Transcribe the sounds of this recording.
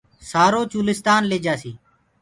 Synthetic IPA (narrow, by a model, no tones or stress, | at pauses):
saːɾoːt͡ʃuːlɪst̪aːnleːd͡ʒaːsiː